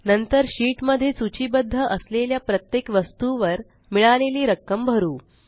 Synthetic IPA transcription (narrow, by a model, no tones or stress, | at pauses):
nənt̪əɾɕiːʈməd̪ʱːjet͡sut͡ɕibəd̪ʱːəʔəsleljapɾət̪jekʋəst̪uʋəɾ | miɭaleliːɾəkːəmbʱəɾuː